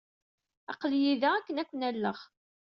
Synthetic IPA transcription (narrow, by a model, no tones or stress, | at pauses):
ɑ̰qljiðæækːənækʷːənælːəʁ